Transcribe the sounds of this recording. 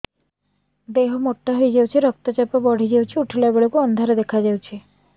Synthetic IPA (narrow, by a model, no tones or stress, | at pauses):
d̪eɦɔmoʈːaɦojd͡ʒawt͡ʃʰeɾɔk̚t̪ɔt͡ʃapɔbɔɽ̤ʱid͡ʒewt͡ʃʰiuʈʰilabeɭɔkuɔnd̪ʱaɾɔd̪ekʰad͡ʒawt͡ʃʰe